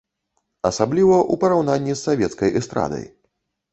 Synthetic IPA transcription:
ɐsablʲivɐʔupɐɾawnanʲːisːavʲɛt̪skɐjʔɛst̪ɾa̰d̪ɐ̰j

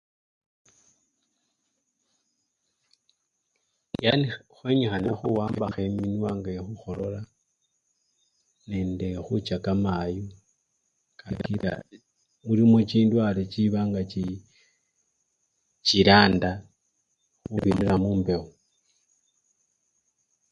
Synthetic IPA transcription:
janixweɲixanaxuwaːmbbaxeminwaːŋɡaexuxo̞lo̞la | ne̞nde̞xut͡ʃakamaju | kakiɾa̰ | muɾimot͡ʃiːndwalet͡ʃiβaːŋɡat͡ʃi | t͡ʃiɾaːnda | xuβiniɾamuːmbe̞o

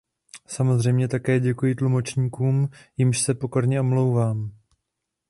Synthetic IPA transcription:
samo̞zr̝ɛjmɲɛt̪akɛːɟɛkujɪt̪lumo̞t͡ʃɲiːkuːmjɪmʃsɛpo̞ko̞ɾɲɛo̞mlo̞wvaːm

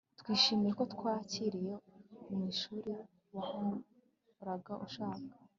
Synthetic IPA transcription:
tkwiːʃiːmijeko̞tkwaːciɾije̞umŋiːʃuːɾi | wahu | ɾaɡaʔuʃaːŋɡḁ

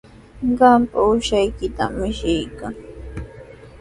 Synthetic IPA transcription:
ɢɑmpaʊʃajkɪt̪a̰mːɪʃɪjkaŋ

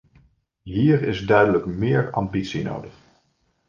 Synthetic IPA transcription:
ɦiːɹɪzdœɥdələkmɪːɹɑ̰mbitsino̰wdəχ

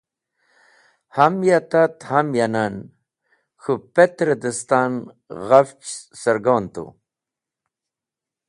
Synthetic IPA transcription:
hamjat̪at̪hamjanan | xupet̪ɾed̪əst̪aːn | ɣaft͡ʃsəɾɡoːnt̪ṵ

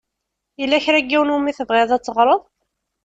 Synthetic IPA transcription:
jəlːæçɾæɡːiwnumiθəvʁeðˤæt͡sːəʁɾˤoðˤ

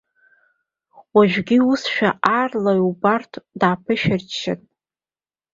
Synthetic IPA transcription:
waʒᶣɡʲiusʃᶣaarlaubartʰdaːpʰɨʃᶣɪrt͡ʃʰːa̰tʼ

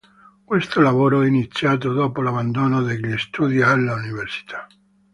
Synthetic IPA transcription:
kwest̪olaβoɾoainit̪t͡sjat̪̬oðopolaβand̪onoðeklest̪uðjaelːauniβeɾsi̥t̪ʰa

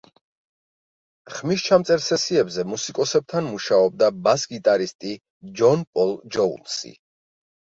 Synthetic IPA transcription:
χmist͡ʃʰamt̪sʼɛɾsɛsiɛbzɛmusikʼɔsɛb̚t̪ʰanmuʃaɔb̚d̪abasɡit̪ʼaɾist̪ʼi | d͡ʒɔnpʼɔlˠd͡ʒɔṵlˠsḭ

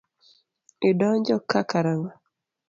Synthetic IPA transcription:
ɪdɔɲd͡ʒɔkakaɾaŋa

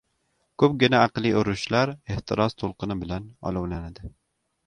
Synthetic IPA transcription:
kʰɵpɡʲɪnaɑqlˠiʊɾʊʃlaɾeht̪ʰɪɾɒz̥t̪ʰolˠqɨnɪbɪlanɒ̰lˠʊwlanad̪ɪ

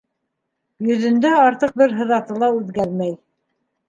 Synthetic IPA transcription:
jɵ̆ðɵ̆nd̪æɑɾt̪ɤq̚bɘɾɦɤ̆ðɑt̪ɤlˠɑʉðɡæɾmæj

